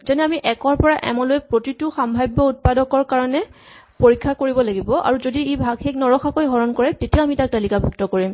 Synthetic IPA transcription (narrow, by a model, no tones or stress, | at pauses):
zɛnɛamiʔɛkɔɹpɔɹaʔɛ̰mɔloɛpɹotituxambʱajbɔut̚padɔkɔɹkaɹɔnɛ | poɹikʰːakoɹibɔlaɡibɔʔa̰ɹuzodiebʱaɡxeknɔɹɔxakojɦɔɹɔnkɔɹɛtetiaamitak̚talikabʱuktɔkoɹim